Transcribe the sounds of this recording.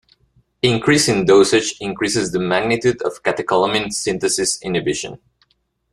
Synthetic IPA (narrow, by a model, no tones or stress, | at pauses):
ɪ̃ŋkʰɹisɪ̃ndoʊsɨd͡ʒɪ̃ŋkɹisɨzðəmæɡ̚nɪt̪ʉdʌ̰v̥kæt̪ɨkɔlˠəmɪ̃nsɪ̃nt̪ɨsɪsɪ̃nɨbɪʃə̰̃n